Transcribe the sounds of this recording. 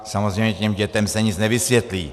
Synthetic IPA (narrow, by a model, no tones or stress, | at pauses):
samɔzɾɛmɛt̪imɟɛt̪ɛmsaɲid͡zɲɛʋisʋjɛt̪liː